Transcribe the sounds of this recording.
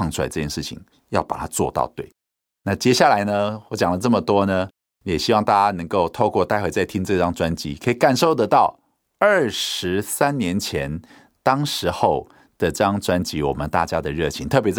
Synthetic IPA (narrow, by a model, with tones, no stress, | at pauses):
ɑ˥˧ŋʈ͡ʂʰla˧˥ɪʈ͡ʂɤ˥˧˩jɛ˥˩ʂɻ̩˥˩t͡ɕʰḭ˨˩˦ŋ | jɑ˥˩ʊpa̰˨˩t̪ʰa˥t͡swɔ˥˧t̪ɑ̰˥˧ʊt̪we˥˩ɪ | na˥˨t͡ɕjɛ˥ɕja˥˩la˧˥ɪnə˧wɔ˧˥t͡ɕjɑ˨˩ŋlə˦t͡sɤ˥˩mə˩t̪wɔ˥nə˨ | jɛ˨˩ɕi˥wɑ˥˧ŋt̪a˥˩t͡ɕja˥nɤ˧˥ŋko˥˧ʊt̪ʰo˥˧ʊkwɔ˥˧t̪a˥ɪxwe˧˥ɪt͡sa˥˩ɪt̪ʰi˥ŋt͡sɤ˥˧ʈ͡ʂɑ˥ŋt͡swa˦nt͡ɕḭ˧˥kʰɤ˧˥i˨˩ka˨˩nʂo˥˩ʊt̪ə˧˦t̪ɑ˥˧ʊ | ə˥˩ʂɻ̩˧˥sa˥nnjɛ˧˥nt͡ɕʰjɛ˧˦n | t̪ɑ˥ŋʂɻ̩˧˥xo˥˩ʊ | d̪̥ə˩ʈ͡ʂɑ˥ŋt͡swa˥nt͡ɕi˧˦˥wɔ̰˨˩mə˦nt̪a̰˥˩t͡ɕja˥d̪ə˨ɻɤ˥˩t͡ɕʰḭ˧˦ŋt̪ʰɤ˥˩p̬jɛ˧˥t͡s